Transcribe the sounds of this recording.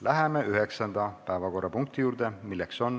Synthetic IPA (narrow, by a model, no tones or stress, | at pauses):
lʔæɦemeʔyɦe̞ksɑnd̪̥ɑpæevɑko̞rːɑpuŋk̚t̪ijuːɾd̪̥emilːekso̞n